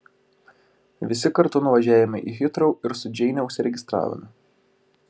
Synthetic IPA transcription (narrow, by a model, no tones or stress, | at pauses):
ʋʲɪsʲɪkɐɾt̪ʊnʊʋɐʒʲæːʋʲɪmʲɪʔixʲɪt̪ɾoʊɪɾsʊd͡ʒʲɛɪnʲɛʊʃʲsʲɪɾʲɛɡʲɪst̪ɾɑ̰ːʋɐ̰mʲɪ